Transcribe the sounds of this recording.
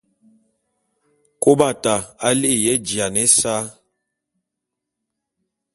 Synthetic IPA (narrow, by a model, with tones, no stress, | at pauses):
ko˦ba˦˨ta˨a˦li˦ʔi˦˨jɛ˦d͡ʒi˨a˨nɛ˦sa˦